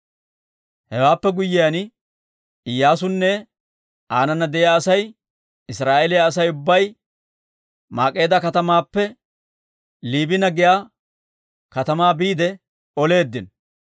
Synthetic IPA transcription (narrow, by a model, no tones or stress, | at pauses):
hɛwaːpːɛɡʊjːɪjan | ɪjːaːs̬ʊnːɛ | ʔaːnɐnːɐd̪ɛjaɐsɐj | ɪsɾaːʔelɪjaːs̬ɐjʊbːɐj | maːkʼːe̞ːd̪ɐkɐt̪ɐmaːpːɛ | liːbɪnɐɡɪjaː | kɐt̪ɐmaːbiːd̪ɛ | ɔle̞ːd̪ːɪn